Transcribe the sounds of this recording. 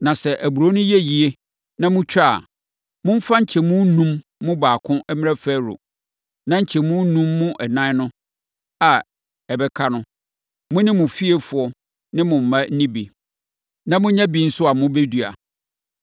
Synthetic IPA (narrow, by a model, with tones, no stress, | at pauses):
nã˨sɛ˨ʔæ˨bu˨ɾo˦nʊ̃˦ji˦e˦ji˨e˦ | nã˦mʊ̃˦t͡ɕᶣa˦˨ | mʊ̃˦m̩˦fa˦ɲ̩˨t͡ɕʰɛ˨mũ˦nũ˦mː | ʊ̃˦baː˨kʰʊ̃˦ʔɛ˦mɪ̃˦ɛ˦fæ˦ɾʊ̰˨ | nã˦ɲ̩˨t͡ɕʰɛ˨mũ˦nũ˦mːʊ̃˦ʔɛ˨nã˦nʊ̃˦ | a˨ | ɛ˨bɛ˦kʰa˦nʊ̃˦ | mʊ̃˦nɪ̃˦mʊ̃˨fi˦e˦fʊ˨ɔ˦ | nɪ̃˦mʊ̃˨m̩˨mã˦n̩˦nĩ˦bi˨ | nã˦mʊ̃˦ɲã˦bĩ˦n̩˦sʊ˦a˨mʊ̃˦be˦dɥa̰˨